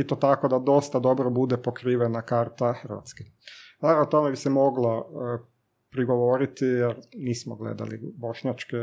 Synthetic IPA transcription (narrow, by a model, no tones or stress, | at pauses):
it̪ot̪akod̪ad̪o̞st̪ad̪o̞bɾobud̪epo̞kɾiːʋenakaːɾt̪axrʋa̰t̪ske | naɾaot̪o̞mebisemo̞ɡlo | pɾiɡo̞ʋo̞ɾit̪ijeɾniːsmoɡlḛd̪a̰lḭbo̞ʃɲat͡ʃke